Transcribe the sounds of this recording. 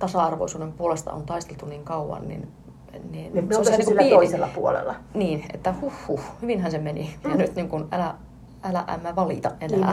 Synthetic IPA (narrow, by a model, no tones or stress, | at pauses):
t̪ɑsɑɑrʋo̰isuːnempuolest̪ɑ̰o̰nt̪ɑist̪elt̪uniːŋkɑuʋɑ̰nnḭn | niːnosnikːoiselːɑpuolḛlːɑniːnḛt̪ːæhuhːuhyʋinhænsemenijɑnyt̪niŋkunælæ | ʔælæ̰ʔæ̰mːæʋɑlḭt̪ɑɑnææ